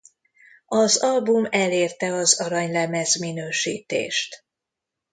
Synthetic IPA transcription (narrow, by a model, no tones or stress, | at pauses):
ɒzɒlbumɛleːrt̪ɛɒzɒɾɒɲlɛmɛzminøːʃḭːt̪ḛːʃt̪